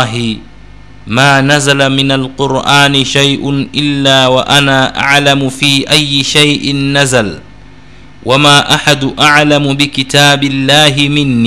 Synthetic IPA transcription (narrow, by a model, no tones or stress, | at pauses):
ɦɪ | maːnazalamɪnalqʊɾʔaːnɪʃajʔʊnʔɪlːaːwaʔanaːʔa̰ʕlamʊfiːʔajːɪʃajʔɪnːazal | wʔamaːʔaħad̪ʔaʕlamʊbɪkɪt̪aːbɪlːaːɦɪmɪnːi